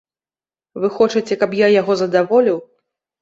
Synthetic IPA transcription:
vɨxɔt͡ʂɨt͡sʲɛkɐpjajaɣɔzɐd̪avɔlʲiw

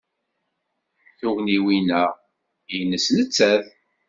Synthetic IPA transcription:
θʊʁniwinæ | jnːəsnət͡sːæð

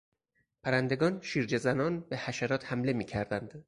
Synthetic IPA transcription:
pʰæɾænd̪e̞ɡɒːnʃiːɾd͡ʒezænɒːnbe̞hæʃæɾɒːt̪hæmle̞miːcʰæɾd̪ænd̪̥

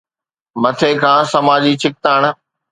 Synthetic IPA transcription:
mɐt̪ʰeːkʰãːsɐmaːd͡ʑit͡ɕʰɪk̚t̪aːɽ̃̆

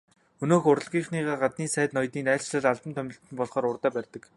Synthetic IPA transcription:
ɵnoːxʊr̆ɮʁiːχniːʁaːɢat̪̚niːsæːt̪nɔjt̪iːnæːɮt͡ɕɮə̆ɮaɮt̪ə̆mt̪ʰœmʲɪ̆ɬt̪ɘ̆npɔɮχɔːɾʊrt̪æːpærʲt̪ə̆k

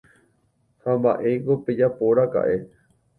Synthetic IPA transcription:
hãmba̰ʔeɡoped͡ʒapoɾaka̰ʔe̞

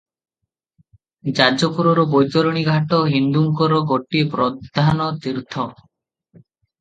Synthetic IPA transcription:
d͡ʒad͡ʒɔpuɾɔɾɔbojt̪ɔɾɔɽ̃iɡʱaʈɔɦind̪uŋkɔɾɔɡoʈipɾɔd̪ʱanɔt̪iɾt̪ʰɔ

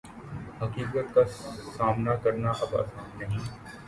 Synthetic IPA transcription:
ɦɐkiːkət̪̚kasaːmnakɐɾnaʔɐbɐ̰ːsaːnnɐɦĩː

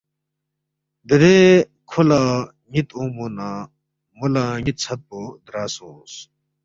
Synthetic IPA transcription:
d̪əɾe | kʰola | ɲit̪õːmunaː | mulaɲit̪̚t͡sʰɐt̪̚pod̪ɾaːsõːs

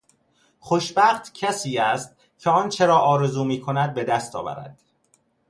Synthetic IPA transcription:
χoʃbæχt̪ʰcʰæsiːæst̪̚ | cʲʰeɒːnt͡ʃʰeɾɒːʔɒːɾe̞zuːmiːkʰo̞næd̪̚be̞d̪æst̪ɒ̰ːvæ̰ɾæ̰d̪̥

